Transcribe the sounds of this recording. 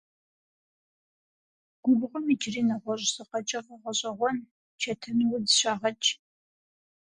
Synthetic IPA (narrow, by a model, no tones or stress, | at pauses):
ɡ̥ʷʊbʁʷʊmit͡ʃʼriːnɐʁʷɔɕʼsɨqɐt͡ʃʼɐʁɐʁʷɔɕʼɐʁʷɔn | t͡ʃʰɐtʰɨnwʊdɕaːʁɐt͡ʃʼ